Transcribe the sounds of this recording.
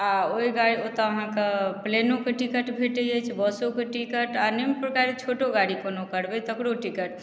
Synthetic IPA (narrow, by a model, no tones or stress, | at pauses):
aoiɡaɽiot̪ɔəɦãkeplenokeʈikəʈbʱeʈəɛt͡ʃʰbəsokeʈikəʈanimpɾkaɾet͡ʃʰoʈoɡaɽikənokəɾbɛt̪əkɽoʈikəʈ